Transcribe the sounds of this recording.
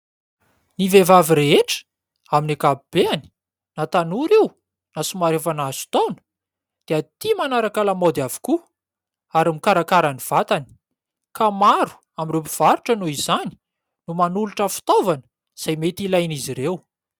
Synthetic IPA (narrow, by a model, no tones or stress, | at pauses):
nivevaviɾeɦeʈ͡ʂə̥ | aminakabib̥eani̥ | nat̪anuɾew | nasumaɾefanazu̥t̪ownə̥ | d̪̥eat̪imanaɾakalamod̪avu̥ku | aɾamikaɾakaɾaniv̥at̪ani̥ | kamaɾu̥ | amirewpi̥v̥aɾuʈ͡ʂənuizani̥ | numanuluʈ͡ʂəfi̥t̪ovanə̥ | z̥ajmet̪ilajniziɾew